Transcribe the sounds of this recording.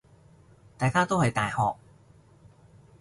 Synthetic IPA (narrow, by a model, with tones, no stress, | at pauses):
t̪aː˨jkaː˥t̪o˥whɐ˨jt̪aː˨jhɔː˨k̚